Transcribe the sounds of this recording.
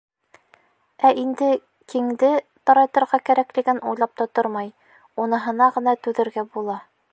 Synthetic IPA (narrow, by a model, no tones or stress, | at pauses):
æʔind̪ɘ | kiŋd̪ɘ | t̪ɒɾɑjt̪ɤ̆ɾʁɑkæɾæklɘ̆ɡɘnʔujlˠɑp̚t̪ot̪oɾmɑj | unɤ̆ɦɤ̆nɑʁɤ̆nɑt̪ʉðɘ̆ɾɡæbulˠɑ